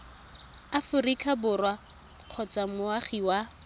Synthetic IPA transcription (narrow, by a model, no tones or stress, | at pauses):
afʊrikʰʼabʊrwa | q͡χʰɔt͡samʊaχiwa